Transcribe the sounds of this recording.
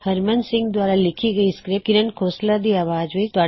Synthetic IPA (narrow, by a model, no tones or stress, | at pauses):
hɐɾmɐnsɪ̃ŋɡd̪ʋaːɾalɪkʰiɡɐiskɾekiɾɐnkʰoːslad̪iɐʋaːd͡ʒʋit̪aː